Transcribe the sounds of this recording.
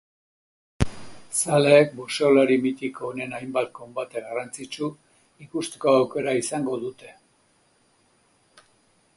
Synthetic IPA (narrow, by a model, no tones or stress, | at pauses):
saleːk̚buse̞olaɾimit̪iko̞ːne̞najmbat̪̚ko̞mbat̪eɣarant͡sit͡ʃu | ikust̪e̥ko̞awke̞ɾaisaŋɡo̞ðut̪e̞̥